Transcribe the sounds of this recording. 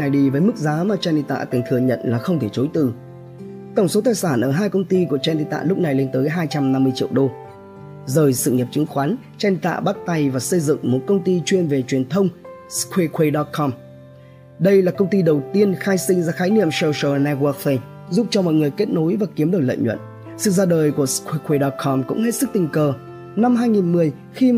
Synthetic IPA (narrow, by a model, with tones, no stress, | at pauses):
a˨˩jɗi˧˩vəː˨˦jmɨ˦˥k̚zaː˨˦maː˨˩t͡ɕaː˧nɗḭ˧˨t̪a̰ː˧˨t̪ɨ˨˩ŋt̪ʰɨ˨˩əɲə̰˧˨nlaː˨˩xə˧wŋ͡mt̪ʰe˧˩t͡ɕo˨˦jt̪ɨ̰˧˩ | t̪ə˧˩wŋ͡mso˨˦t̪aː˨˩jsaː˧˩nʔəː˧˩ɦaː˧jkə˧wŋ͡mt̪i˧ku˧˩ət͡ɕaː˧nɗḭ˧˨t̪a̰ː˧˨lʊ˦˥k͡p̚na˨˩jle˧nt̪əː˨˦jɦaː˧jt͡ɕa˧mna˧mːɨ˧əjt͡ɕḭ˧əwɗo˧ | zəː˨˩jsɨ̰˧˨ɲə˨˩p̚t͡ɕɨ˨˦ŋxwaː˨˦n | t͡ɕaː˧nɗḭ˧˨t̪a̰ː˧˨ɓa˦˥t̚t̪a˧jvaː˨˩sə˧jzɨ̰˧˨ŋmo˨˩t̚kə˧wŋ͡mt̪i˧t͡ɕwi˧ənve˨˩t͡ɕwi˨˩ənt̪ʰə˧wŋ͡mskʰwe˧kwe˧ɗɔ˦˥t̚kʰɔ˧m | ɗə˧jlaː˨˩kə˧wŋ͡mt̪i˧ɗə˨˩wt̪i˧ənxaː˧jsï˧ŋzaː˧xaː˨˦jnḭ˧˨əmsɛ˧wsəː˨˩nɛ˧wɔː˧˦k̚fe˧ | zu˦˥p̚t͡ɕɔ˧mɔ̰˧˨jŋɨ˨˩əjke˦˥t̚no˨˦jvaː˨˩ki˨˦əmɗɨ˨˩ək̚lə̰ː˧˨jɲwə̰˧˨n | sɨ̰˧˨zaː˧ɗəː˨˩jku˧˩əskwe˧kwe˧ɗɔ˧t̚kʰɔ˧mkʊ̰˧˥ŋ͡mhe˦˥t̚sɨ˦˥k̚t̪i˨˩ŋ̟kəː˨˩ | na˧mɦaː˧jŋi˨˩nmɨ˨˩əj | xi˧